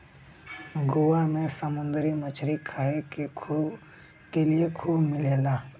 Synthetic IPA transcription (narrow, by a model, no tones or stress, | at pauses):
ɡʊʋamẽsəmʊ̃nd̪ɾimɐt͡ʃʰɾikʰaːeke | keliekʰuːbmɪleːlaː